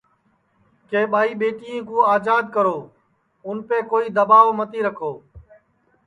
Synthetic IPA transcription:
keːɓaːiːɓeːʈijẽːkũːaːzaːd̪̚kəɾoː | ʊnpeːkoːiːd̪əbaːʋmət̪iːɾəkʰoː

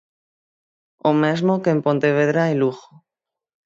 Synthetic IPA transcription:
omezmokeːmpo̞nt̪eβeðɾajluxo

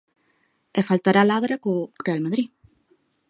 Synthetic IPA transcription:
ɛfalt̪aɾalaðɾakorealmaðɾi

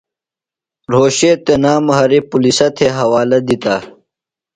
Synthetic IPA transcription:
ɾoːɕeːt̪enaːmɐɦɐɾipulisɐt̪ʰeɦɐwaːlɐd̪it̪a

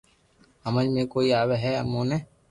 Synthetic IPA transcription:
əməlmẽːkoːiːaːʋeɦɛːə̰mːõːnẽː

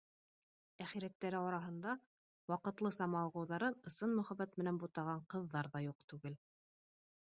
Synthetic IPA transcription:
æχiɾæt̪ːæɾɘɑɾɑɦɤ̆nd̪ɑ | wɑqɤ̆t̪lˠɤsɑmɑlˠʁɤ̆wðɑɾɤnɤ̆sɤnmɵ̆χæβæt̪mɘ̆nænbut̪ɑʁɑɴqɤ̆ðːɑɾðɑjuq̚t̪ʉɡɘl

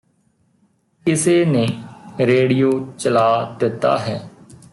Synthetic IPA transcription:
kɪseːnẽːɾeːɽijoːt͡ʃəlaːd̪ɪt̪ːa̰ːɦɛː

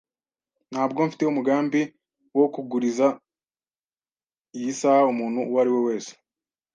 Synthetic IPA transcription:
n̥haːbɡo̞ɱfi̥teumuɡaːmbi | wo̞kuɡuɾiza | jisahaumuːnhuwaɾiwe̞we̞ːse̥

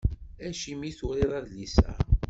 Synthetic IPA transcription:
æʃimiθʊɾiðˤɑðlisæ̰

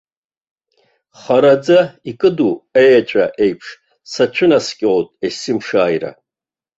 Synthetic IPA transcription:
χaɾad͡zaikʼɨduejat͡ʃʼa̰ʔejpʰʂ | sat͡ʃʷʰʊnaskʲʼɪotʼesɨmʂaːjra̰

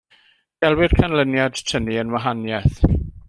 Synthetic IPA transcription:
d̥ɛlˠwɪr̥kʰanlənjad̥tʰəniənwaɦanjɛθ

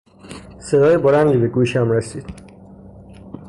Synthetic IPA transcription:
sed̪ɒːjeboɾænd̪ibeɡuːʃæmɾesiːd̪̥

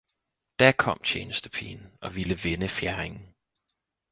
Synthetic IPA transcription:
d̥æɐkʰɒ̽m̰t͡ɕʰeːnəsd̥ə̥pʰḭːnɒ̽ʋiləʋenəfjæɐʁeŋn̩

